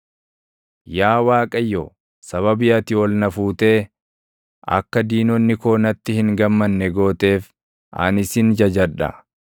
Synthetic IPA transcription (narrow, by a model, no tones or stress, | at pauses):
jaːwaːkʼɐjːɔ | sɐβɐbɪɐt̪ɪwɔlnɐfuːt̪e̞ː | ʔɐ̰kːɐd̪iːnɔnːɪko̞ːnɐt̪ːɪhɪŋɡɐmːɐnːɛɡo̞ːt̪e̞ːf | ʔɐ̰nɪsɪnd͡ʒɐd͡ʒɐᶑɐ̰